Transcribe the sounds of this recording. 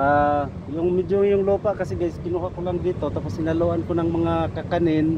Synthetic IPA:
ʔa | jʊŋmɪd̪oŋjʊŋluːpaʔkasɛɡaɪskɪnuɦakolaŋd̪iːt̪ot̪apʊshɪnaloʔankonaŋmɐŋakakanɪn

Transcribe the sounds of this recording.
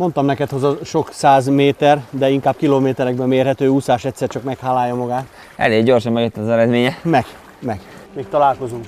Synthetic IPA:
mo̞nt̪ɒmnɛkɛt̪hozɒʃo̞ksaːzmeːt̪ɛrd̪ɛiŋkaːb̚kiloːmeːt̪ɛɾɛɡ̚bɛmːeːrɦɛt̪øːusaːʃɛt̪ʲsɛrt͡ʃɒkmɛkhaːlːaːjːɒmɒɡaːt̪ | ɛ̰leːɡɟo̞rʃɒmːɛɡøt̪ːɒzɛɾɛd̪meːɲɛmɛɡ̥ | mɛɡ̥meːk̚t̪ɒlaːlko̞zuŋk

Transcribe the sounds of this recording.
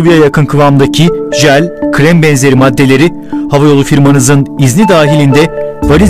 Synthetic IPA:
vijajakʰɯnkʰɯvamd̪acʰiʒælʲkʰɾɛmbɛnze̞ɾimad̪ːe̞lʲe̞ɾi | havajo̞lˠufiɾmanɯzɯniznid̪aːɦilʲind̪ɛvaɾi

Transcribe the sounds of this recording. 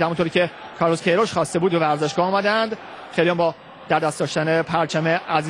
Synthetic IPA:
hæmunt̪oɾiːcʰʲe | kʰɒːɾloskʰejɾoʃχɒːst̪ebuːd̪̚bevæɾzeʃɡɒuːmæd̪ænd̪ | χejlijæmbɒː | d̪̥æɾd̪æst̪ɒːʃt̪ænepʰæɾt͡ʃʰæmeʔæz

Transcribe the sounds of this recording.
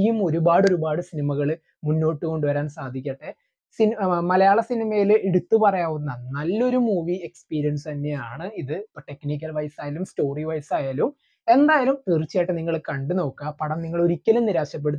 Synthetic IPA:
jumo̞ɾubaːɽo̞ɾubaːɽɨsinimɐɣɐɭɨ | munːo̞ːʈːɨko̞ɳɖuʋɐɾaːnsaːd̪ʱikʲːɐʈːe | simɐlɐjaːɭɐsinimɐjileɽut̪ːupɐrɐjaːʋunːɐnɐlːo̞ɾumuːʋie̞kspiːɾijɐnsɨt̪ɐnːe̞jaːɳɨiðɨʈe̞knik̬ʲːɐlʋɐjsaːjɐlumsto̞ːriʋɐjsaːjaːlum | e̞nd̪aːjɐlump̪irit͡ɕːjaːjʈːeniŋːɐɭkɐɳɖɨno̞ːkːɐpɐɽɐmniŋːɐɭo̞ɾikʲːɐlumniɾaːɕɐp̬ːe̞ɽut̪ː

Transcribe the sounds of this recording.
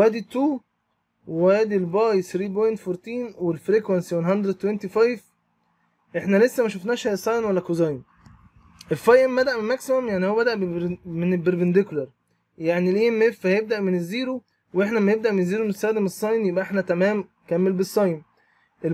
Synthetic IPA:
æːd̪it̪ːuː | wewæːd̪ilbɑːjsɾiːbojnt̪foɾˤt̪iːnwelfɾikwænsiwenɦɑnd̪ɾet̪ːwent̪ifɑjf | ʔeħnælesːæmæʃofnæːʃhæsˤɑjnwælːækozɑjn | ʔelfɑjʔembæd̪æʔmemæksehomjaʕnihowæbæd̪æʔbemenelbeɾvend̪eklɑɾˤ | jaʕnilʔemːefːæhæjeb̚d̪æʔmenezːiːɾu | weeħnæmæneb̚d̪æʔmenezːiːɾomst̪ːæːd̪emesˤːɑjnjebʔæʔeħnæt̪æmæːm | kæmːelbesˤːɑjn | ʔe

